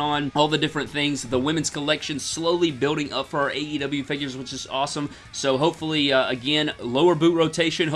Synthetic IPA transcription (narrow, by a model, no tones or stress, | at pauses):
ə̃n̩ɔlˠðɨdɪfɹɨ̃nθɪ̃ŋzðəwɪ̃mɨ̃nz̥kʰəlɛkʃɨ̃nsloʊlˠibɪlˠɾɪ̃ŋʔʌ̰pfə˞ʔeɪiɾʌbl̩ˠjʉfɪɡjə˞zwɨt͡ʃɨzɔsə̃m | soʊɦoʊpfl̩ˠiɨɡɛ̃nloʊə˞bʉt̚ɹoʊtʰeɪʃɨ̃nɦ